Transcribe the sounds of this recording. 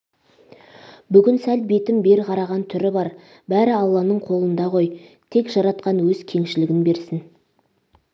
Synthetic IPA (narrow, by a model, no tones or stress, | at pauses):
bʏɡʲɪnsælbe̞t̪ɪmbe̞ɾqʰɑɾɑʁɑnt̪ʰʏɾɪbɑɾ | bæɾɪɑlˠːɑnəɴqʰo̞lˠənd̪ɑʁo̞jt̪ʰe̞kʒɑɾɑt̪̚qɑnwɵz̥kʲʰe̞ŋʃɪlɪɡʲɪnbe̞ɾsɪn